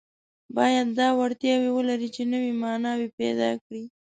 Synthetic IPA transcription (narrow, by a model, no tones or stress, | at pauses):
bɑjad̪ːɑwaɽt̪jɑwewəlaɾit͡ʃenəwimɑnɑwepɛ̰d̪ɑ̰kɽi